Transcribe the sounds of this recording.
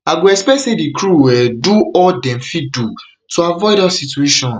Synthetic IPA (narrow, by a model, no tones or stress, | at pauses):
aɡoɛspɛsedikɹuwɛduɔldɛ̃mfidu | toavɔɪdasitueʃɔ̃n